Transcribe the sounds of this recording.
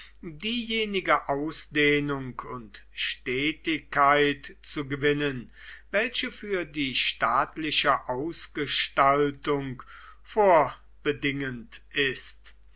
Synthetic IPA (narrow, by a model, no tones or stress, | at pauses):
diːjeːnɪɡəʔaʊsd̥eːnʊŋkʰʊntʃtɛːtɪkːaɪtt͡suɡəvɪnən | vɛlɕəfyːɐdiːʃtaːtlɪʃəʔaʊsɡ̥əʃtaltʊŋk | foːɐ | b̥ədɪŋəntʔɪst